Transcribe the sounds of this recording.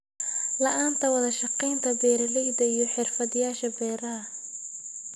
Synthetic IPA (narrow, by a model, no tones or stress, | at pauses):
lɐʔaːnt̪ʰɐwɑðɐʃɑqɛjnt̪ʰɐbɛːɾɐlɛjd̪ɐijɞħɪrfɐðɪjaːʃɐbɛːɾɐɐ